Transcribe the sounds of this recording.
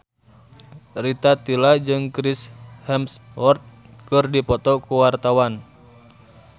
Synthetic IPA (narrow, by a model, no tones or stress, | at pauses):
rit̪at̪ilad͡ʒɨŋkɾishɛmswɔrt̪̚ | kɨrdipɔt̪ɔkuwart̪awan